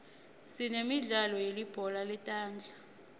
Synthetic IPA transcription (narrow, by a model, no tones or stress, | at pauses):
sinemiɮalɔjelib̥ʱɔlalɛtʼaːnd͡ɮʱḁ